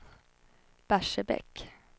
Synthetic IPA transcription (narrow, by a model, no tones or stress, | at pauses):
b̥æʂəbɛ̰k